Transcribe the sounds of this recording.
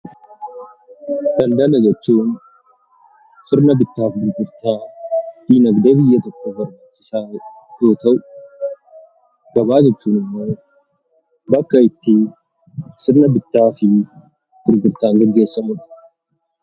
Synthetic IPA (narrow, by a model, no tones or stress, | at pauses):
d̪̥ɐnd̪ɐnɐd͡ʒɛt͡ʃːuːn | sɪɾnɐbɪt̪ːaːfɡʊɾɡʊɾt̪ʰaːt̪iːnɐɡd̪ɐbɪjːɐt̪ɔkːɔbɐɾbat͡ʃːɪ̥saː | jo̞ːt̪ɐʔʊ | ɡ̥ɐbaːd͡ʒɛt͡ʃːuːnɪmːoː | bɐkːɐɪt̪ːɪ | sɪɾnɐbɪt̪ːaːfɪ | ɡ̥ʊɾɡʊɾt̪aːŋɡɛɡːe̞ːsːɐmɐᶑ